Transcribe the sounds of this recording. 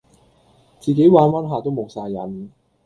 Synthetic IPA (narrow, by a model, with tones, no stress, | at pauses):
t͡siː˨ke˨˥jwaː˨˥nwaː˥nɦaː˨˧t̪o˥wmo˨˩wsaː˧jɐ̰˨˥n